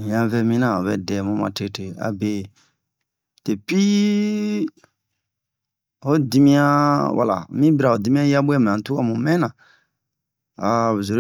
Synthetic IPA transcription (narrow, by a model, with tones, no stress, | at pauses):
jã˨˧vɛ˧mĩ˦nã˨o˨βɛ˨dɛ˨mũ˦mã̰˨te˧˨te˨a̰˨be˨ | te˨pi˦ | o˦di˦mĩ˦ã˦wa̰˨la̰˨mĩ˦biɾa˨o˨di˨˦mĩ˦ã˦ja˦bu˦ɛ˦˨m˨ã˨tu˦ka˦mũ˨mɛ̃˦nã˨ | a˨zo˨ɾ